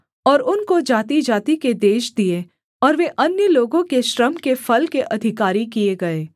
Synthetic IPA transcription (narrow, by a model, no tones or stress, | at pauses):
ɔːɾʊnkod͡ʒaːt̪id͡ʒaːt̪iked̪eːʃd̪ie | ɔːɾʋeʔɐnjəloːɡõkeʃɾəmkefɐlkeʔɐd̪ʱɪkaːɾikieɡɐeː